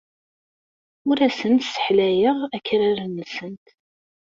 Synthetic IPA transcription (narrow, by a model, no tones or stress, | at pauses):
ʊɾæsənt̪sə̥ħlæjəʁækːɾæɾənːəsənt̪